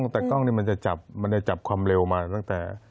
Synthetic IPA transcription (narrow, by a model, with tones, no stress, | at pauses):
ŋt̪ɛː˨˩k̪ɔ˥˩ŋniː˥˩˨ma˧nt͡ɕa˨˩t͡ɕa˨˩p̚ma˧nda˥˩jt͡ɕa˨˩p̚kʰwaː˧mɾe˧wmaː˧t̪a˥˩ŋt̪ɛː˨˩